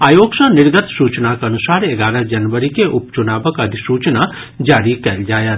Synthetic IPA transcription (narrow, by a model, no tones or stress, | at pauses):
aːjoːɡʃə̃nɪɾɡət̪suːt͡ʃnakɐnʊsaːɾeɡaːɾəd͡ʒɐnʋəɾikeʔʊpt͡ʃʊnaːbəkəd̪ʱisuːt͡ʃna | d͡ʒaːɾikɐld͡ʒaːjət̪